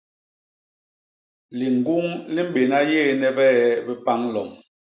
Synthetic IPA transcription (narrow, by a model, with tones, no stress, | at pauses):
li˨ŋ˨ɡu˦ŋli˦m̩˦ɓe˨na˦jeː˦˨nɛ˦bɛː˦bɛ˦pa˦ŋ˦lɔ̰˨ŋ